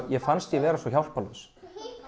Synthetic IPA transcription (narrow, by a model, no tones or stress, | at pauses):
jɛfanst̪jɛvɛːɾasvɔçawl̥palʏs